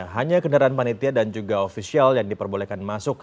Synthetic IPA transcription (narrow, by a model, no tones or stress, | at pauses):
ɦaɲakəndaɾaanpanit̪iadand͡ʒuɡaofisialjaŋdipərbolekanmasʊk̚